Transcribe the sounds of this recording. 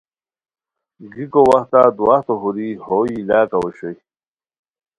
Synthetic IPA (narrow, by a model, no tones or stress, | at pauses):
ɡikowɐht̪ad̪waht̪oɦuɾihoilaːkɐweɕoj